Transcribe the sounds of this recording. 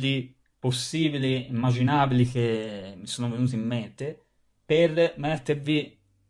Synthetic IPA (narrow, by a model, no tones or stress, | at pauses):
li | posːiːbiliimːad͡ʒinaːbilikemːisoːnovenuːt̪̬iimːent̪e | permɛt̪ːeɾvi